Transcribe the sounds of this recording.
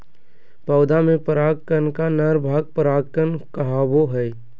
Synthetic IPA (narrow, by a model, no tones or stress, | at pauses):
pɐʊd̪amẽpəɾaːɡkːənkanəɾbʱaːɡ̚pəɾaːɡkənkəɦaːboɦɛj